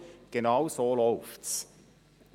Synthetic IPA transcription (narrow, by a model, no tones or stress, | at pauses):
ɡ̥enɑwsoːlɔʊfts